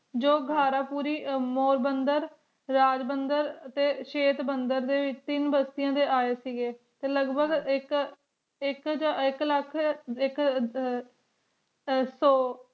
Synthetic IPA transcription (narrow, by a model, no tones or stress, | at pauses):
d͡ʒoːɡʱaːɾãːpuːɾiːmoːɾbənd̪əɾ | ɾaːd͡ʒbənd̪əɾət̪eːʃeːt̪bənd̪əɾd̪eːʋɪt͡ʃt̪ɪnbəst̪ɪjãːd̪eːʔaːeːsiːɡeː | t̪eːləɡbəɡɪk | ɪkd͡ʒaɪkləkʰɪk | soː